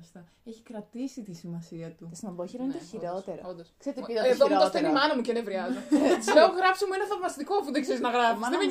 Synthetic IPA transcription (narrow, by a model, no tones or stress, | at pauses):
st̪ɐ | eçikɾɐt̪isit̪isimɐsiɐt̪usnɐboçiɾont̪eiɾot̪eɾ̰ond̪ɐskseɾt̪eeðomuɐt̪enimɐnɐmucenevɾiɐzoleoɣɾɐfsimuenɐfɐvmɐst̪ikoɐfuðeɡzeɾiznɐɣɾɐfisðeme